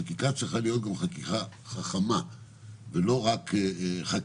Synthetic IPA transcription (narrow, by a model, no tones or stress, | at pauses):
akikat͡sʁiχalijo̞t̪̚ɡamχakiχaχaχama | velo̞ʁakeχak